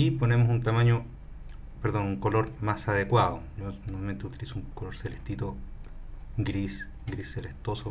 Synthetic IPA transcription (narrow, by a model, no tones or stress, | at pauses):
iponemosunt̪amãɲo | peɾðonuŋkoloɾmasaðekwaðoʝonomament̪eut̪ilisouŋkoloɾseleht̪it̪o | ɡɾis | ɡɾisːelest̪oso